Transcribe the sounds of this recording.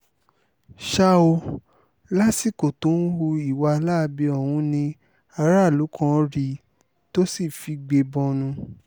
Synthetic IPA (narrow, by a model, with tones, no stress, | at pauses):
ʃa˦o˧ | la˦si˦˨ko˨to˨˦n̩˦wu˧i˨wa˧˦la˦˧bi˧ɔ˨wũ˧nĩ˧ | a˧ɾa˦˨lu˨˦kɔ̃˦ɾi˧ | to˦si˦˨fi˧ɡ͡be˧bɔ̃˧nũ˧